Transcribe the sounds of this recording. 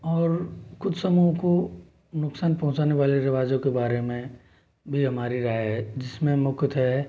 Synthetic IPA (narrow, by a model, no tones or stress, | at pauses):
ɔːɾkʊd͡ʒʱsɐmuɦko | nʊksaːnpɐɦʊ̃t͡ʃaːneʋaːleɾɐʋaːd͡ʒõkebaːɾemẽ | bʱiɦɐmaːɾiɾaːjɦɛd͡ʒɪsmẽmʊkt̪ɦɛ